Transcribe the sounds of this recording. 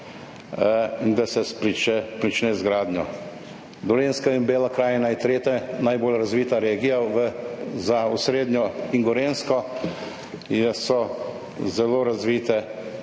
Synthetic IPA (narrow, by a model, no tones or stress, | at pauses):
ind̪asɛspɾit͡ʃɛpɾit͡ʃnɛzɡɾaːd̪ɲjɔ | d̪ɔɾeːnskainbeːlakɾaːjnajt̪ɾeːt̪ɛnajboːlɾazʋiːt̪aɾeːɡijaʋəzausɾeːd̪ɲjɔiŋɡɔɾeːnskɔ | jɛsɔ | zɛloːɾazʋiːt̪ɛ